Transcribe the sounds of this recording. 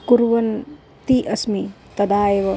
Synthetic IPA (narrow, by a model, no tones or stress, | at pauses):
kuɾwɐn | t̪iʔɐsmi | t̪ɐd̪aːebɐ